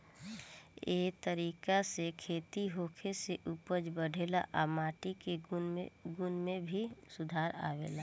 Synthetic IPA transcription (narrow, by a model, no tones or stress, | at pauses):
eːt̪əɾiːkasekʰeːt̪iɦoːkʰeseʔupəd͡ʒbəɽʱeːla̰ʔamaːʈike | ɡʊnmẽbʱisʊd̪ʱaːɾa̰ːʋḛːlaː